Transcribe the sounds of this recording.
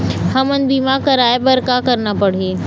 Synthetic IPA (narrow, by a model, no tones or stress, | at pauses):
hɐmənbiːmãkɐɾaːebɐɾkakɐɾnapɐɽ̤eː